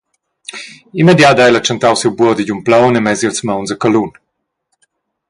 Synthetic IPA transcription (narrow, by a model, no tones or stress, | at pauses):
imɛd̪jad̪ajlat͡ʃɐnt̪awsiwbuɔd̪iɟumplawnɛmɛzilt͡smawnzəkalun